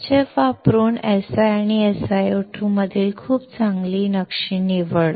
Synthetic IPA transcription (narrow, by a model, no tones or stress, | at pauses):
t͡ɕeʋapɾuːnesaañiesajoʈʰũməd̪ʱiːlkʰuːpt͡sãŋɡliːnəkʂiːniʋəɭ